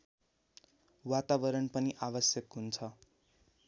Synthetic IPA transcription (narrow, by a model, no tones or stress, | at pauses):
wat̪abʌɾʌnpʌniʔabʌsjʌkɦunt͡sʰʌ